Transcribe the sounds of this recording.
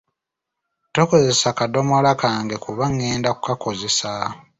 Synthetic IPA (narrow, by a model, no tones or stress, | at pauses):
toko̞ze̞sakado̞molakaːŋɡe̞kuβaŋːeːndakukako̞ze̞sa